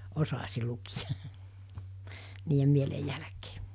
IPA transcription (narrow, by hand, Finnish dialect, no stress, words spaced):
osɑsi lukijɑ̥ niːjem mielej jælæ̆ke̥ː